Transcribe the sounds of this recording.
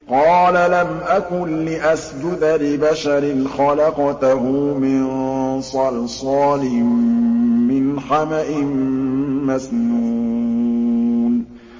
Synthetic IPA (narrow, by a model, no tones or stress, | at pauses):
qɑːlalamʔakʊnlɪʔasd͡ʒʊd̪alɪbaʃaɾɪnxɑlɑqɑt̪ɦʊmɪnsˤɑlsˤɑːlɪmː | ɪnħamaʔɪmː | asnuː | n